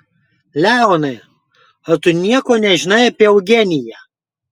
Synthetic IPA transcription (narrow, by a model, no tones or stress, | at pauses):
lʲæˑʊnɐɪ | ɐt̪ʊnʲiɛkoːnʲɛʒʲɪnɐɪɐpʲiɛɐʊɡʲɛnʲɪjæ